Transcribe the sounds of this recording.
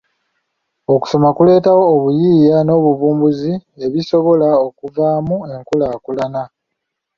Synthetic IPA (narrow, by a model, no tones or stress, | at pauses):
o̞ku̥so̞makule̞ːtawo̞ːβujiːjano̞ːβuvuːmbuzie̞βiso̞βo̞lao̞kuvaːmue̞ŋkulakulana